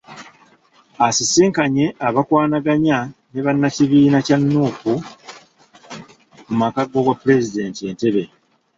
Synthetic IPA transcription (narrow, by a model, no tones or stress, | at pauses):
asisiːŋkaɲe̞ʔaβakwaːnaɡaɲane̞βanːaciβiːnacanːuːku | mumakaɡo̞ɡwapːule̞zide̞ːntie̞ːnte̞βe̞